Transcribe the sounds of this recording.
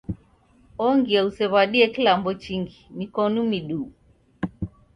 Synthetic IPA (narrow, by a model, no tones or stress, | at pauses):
ɔŋɡiausɛβaɗiɛkilambɔt͡ʃiŋɡinikɔnumiɗu